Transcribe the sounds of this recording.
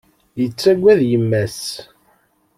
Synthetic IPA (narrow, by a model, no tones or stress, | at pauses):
jət͡sːæɡʷːæðjəmːæs